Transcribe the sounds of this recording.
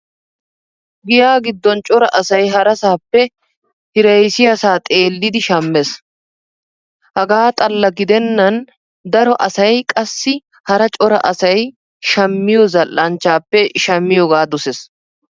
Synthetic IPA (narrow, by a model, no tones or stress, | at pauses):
ɡɪjaːɡɪd̪ːɔnt͡ʃʼɔɾɐʔɐsɐjɦɐɾɐsaːpːɛ | hɪɾɐjsɪjɐsaːt̪ʼe̞ːlːɪd̪ɪʃɐmːes | hɐɡaːt̪ʼɐlːɐɡɪd̪ɛnːɐn | d̪ɐɾɔʔɐsɐjkʼɐsːɪ | hɐɾɐt͡ʃʼɔɾɐ̰ʔɐsɐj | ʃɐmːɪjɔzɐlːɐnt͡ʃːaːpːɛʃɐmːɪjɔɡaːd̪ʊses